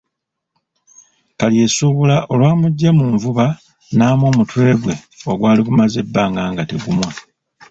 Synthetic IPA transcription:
kalje̞suβulaʔo̞lwaːmuɟːamuːɱvuβa | naːmo̞ːmutwe̞ːɡwe̞ | o̞ɡwaːliɡumaze̞bːaːŋɡaːŋɡateɡumwa

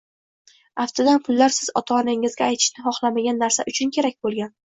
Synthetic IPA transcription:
aft̪ʰad̪anpʰʊlːaɾsɪzɒ̰t̪ʰaːnɪŋɪzɡʲaːjt̪ʰɪ̥ʃnɪχɒχlˠamaɡʲanːaɾsaʔʊt͡ʃʰʊnkʲʰe̞ɾakʲbolˠɡʲan

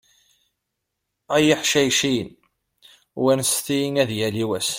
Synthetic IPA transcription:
æjiħʃæjʃin | wænsθinæðjæliwæs

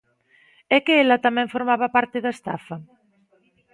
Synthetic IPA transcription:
ɛkeelɐt̪amɛ̃ɱfoɾmaβapaɾt̪eðaest̪afɐ

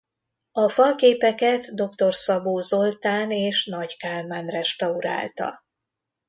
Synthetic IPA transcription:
ɒfɒlkeːpɛkɛt̪d̪o̞kt̪o̞rsɒboːzo̞lt̪aːneːʃnɒɟkaːlmaːnrɛʃt̪ɒuɾa̰ːlt̪ɒ̰

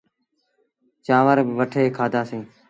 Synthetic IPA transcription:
t͡ʃãːʋəɾbʋəʈʰeːkʰaːd̪ʱaːsẽː

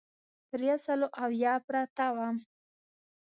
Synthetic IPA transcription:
ɾjasaloʔawjɑpɾat̪awam

